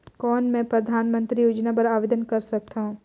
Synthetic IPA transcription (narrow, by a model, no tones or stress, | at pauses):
kɔːnmɛ̃pɾɐd̪ʱaːnmə̃nt̪ɾijoːd͡ʒnap̬ɐɾaːʋeːd̪ənkɐɾsɐk̚t̪aɦũː